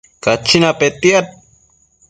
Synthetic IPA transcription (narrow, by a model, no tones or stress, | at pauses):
kat͡ʃʰːinapet̪iat̪̚